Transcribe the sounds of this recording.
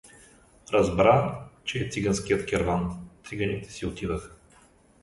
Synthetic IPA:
ɾɐzbɾat͡ʃɛːt̪siɡanskijət̪kʲɛɾvant̪iɡɐnit̪ɛ̥siot̪id̪ɐx

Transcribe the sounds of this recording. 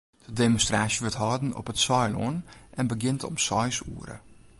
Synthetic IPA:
d̥ədemonstraːsjəʋɪtɦɔːdən̩ɔ̰pətsɔjlɔ̰nʔɛnbəɡɪntʰɔ̰msɔjsṵːəɾə̰

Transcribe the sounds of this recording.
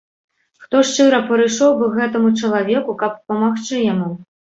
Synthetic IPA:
xt̪ɔʂt͡ʂɨɾɐpɐɾɨjʂɔwbɨɣɛt̪ɐmut͡ʂɐlˠavʲekukɐp̚pɐmaxt͡ʂɨjamu

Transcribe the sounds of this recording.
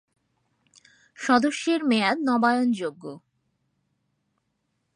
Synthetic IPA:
ʃɔd̪oʃːeɾmead̪nɔbaeond͡ʑoɡːo

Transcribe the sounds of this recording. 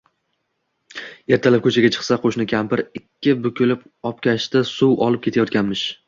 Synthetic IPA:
je̞ɾt̪ʰalɪp̚kʰɵt͡ʃʰaɡʲat͡ʃʰɨ̥qsaqʰoʃnɪkʲʰampɪɾɪkʲːɪbʊkʰʲɪlɪp | ɒp̚kʲaʃt̪asuwɒlˠɪp̚kʰʲe̞t̪ʰajɒt̪̚kʲanmɪʃ

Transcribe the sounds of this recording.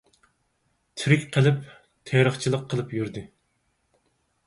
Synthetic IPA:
t̪ʰyɾɪkʲqʰəlˠɪp | t̪ʰeɾəχt͡ʃʰilˠəqʰːəlˠɨpjyɾd̪ɨ

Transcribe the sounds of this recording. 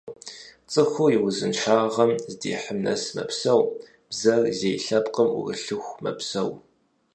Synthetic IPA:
t͡sʼɨxʷujɪwʊzɨnʃaːʁɐmzdḛːħəmnɐ̰smɐ̰psɐw | b̥zɐrzejɬɐpqəmṵrɨ̰ɬɨxʷmɐ̰psɐw

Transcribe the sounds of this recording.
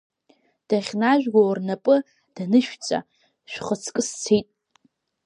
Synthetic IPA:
d̥aχʲnaʒᶣɡʷawrnapʼɨ | d̥anɨʃᶣt͡sʼa̰ | ʃʷᶣχət͡sʰkʼɨst͡sʰejtʼ

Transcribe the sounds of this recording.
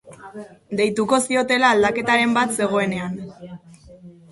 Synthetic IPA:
d̪e̞jt̪uko̞sio̞t̪e̞laːld̪ake̞t̪aɾe̞mbat̪se̞ɣ̞o̞e̞ne̞an

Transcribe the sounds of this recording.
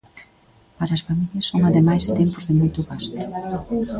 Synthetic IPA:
paɾɐːsfamiʎɐsːoŋaðemajst̪empʊzðɪmojt̪ʊɣast̪ɾʊ

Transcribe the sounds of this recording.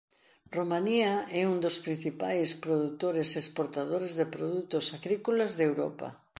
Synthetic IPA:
romaniaɛund̪ospɾin̟θipajspɾoðut̪oɾesespoɾt̪aðoɾezðepɾoðut̪osaɣɾikolazðewɾɔ̰pa̰

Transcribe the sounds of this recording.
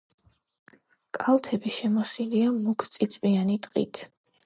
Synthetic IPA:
kʼalˠt̪ʰɛbiʃɛmɔsiliamukʰt̪sʼit̪sʼwianit̪ʼqʼḭt̪ʰ

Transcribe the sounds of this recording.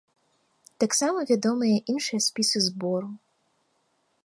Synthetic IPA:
t̪aksamɐvʲad̪ɔmɨjɐʔinʂɨjɐsʲpʲisɨzbɔɾu

